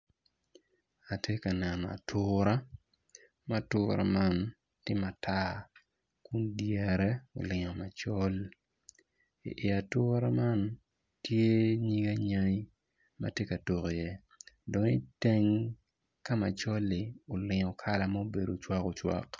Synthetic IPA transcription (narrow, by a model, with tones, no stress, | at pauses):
a˨tʰe˦ka˨nɛ˨n˨a̰˨tʰʊɾa˦ | ma˦tʊːɾa̰˨ma˦n | tjɪ˦ma˨tʰa˦ | ku˦ndjɛ˨ɾɛ˦o̰˨lɪ˨ɲɔ˨ma˨t͡ʃɔ˦l | ḭ˨ʔi˨a˨tʊ˦ɾa˦ma˦n | tʰje˦ɲi˦ɡa˦ɲa˦i˦ | ma̰˦tje˦ka˨to˨ko˨jɛ˦ | do˨ni˦te˦ŋ | ka˦ma˨t͡ʃɔ˦lɪ˨o˨lɪ˨ɲɔ˨kʰa˦la˨ma˦o˦be˨do˨t͡ʃwa˦ko˨t͡ʃwa̰˦k